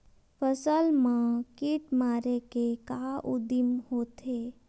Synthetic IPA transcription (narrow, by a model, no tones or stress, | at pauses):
pʰəsəlmãkiʈmaːɾekekaʔʊd̪imhoːt̪e